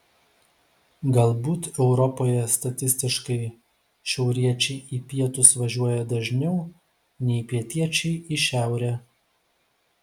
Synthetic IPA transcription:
ɡɐlˠbuːt̪ɛʊɾɔpoːjɛst̪ɐt̪ʲɪsʲt̪ʲɪʃkɐɪ | ʃʲɛʊɾʲiɛt͡ʃʲɛɪiːpʲiɛt̪ʊsʋɐʒʲuɔjɛd̪ɐʒʲnʲɛʊ | nʲɛɪpʲiɛt̪ʲiɛt͡ʃʲɛɪiʃʲæˑʊɾʲɛː

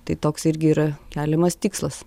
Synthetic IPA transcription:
t̪ɐɪt̪oːksɪɾʲɡʲɪiːɾɐkʲæːlʲɛmɐst̪ʲiːkslˠɐs

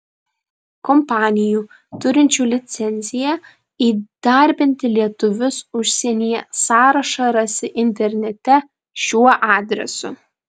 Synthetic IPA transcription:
kɔmpɑːnʲɪjuː | t̪ʊɾʲɪnʲt͡ʃʲuːlʲɪt̪sʲɛnʲzʲɪjɛ | iːd̪̥ɐɾʲbʲɪnʲt̪ʲɪlʲiɛt̪ʊʋʲʊsʊʃʲsʲɛnʲijɛsɑːɾɐʃɐɾɐsʲɪʔɪnʲt̪ʲɛɾʲnʲɛt̪ʲɛ | ʃʲuɔʔɑːd̪ʲɾʲɛ̰sʊ̰

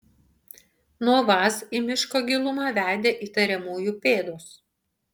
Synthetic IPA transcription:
nuɔʋɑːsimʲɪʃkoːɡʲɪlˠʊmɑːʋʲæːˑd̪ʲeːʔiːt̪ɐɾʲɛmoːjuːpʲeːd̪oːs

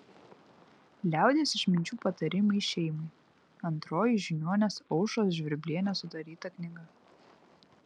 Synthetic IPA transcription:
lʲæˑʊd̪ʲeːsɪʃmʲɪnʲt͡ʃʲuːpɐt̪ɐɾʲɪmɐɪʃʲɛɪmɐɪ | ɐnt̪ɾoːjɪʒʲɪnʲoɔnʲɛsɔʊʃoːs̬ʒʲʋʲɪɾʲbʲlʲiɛnʲɛsʊt̪ɐɾʲiːt̪ɐknʲɪɡɐ

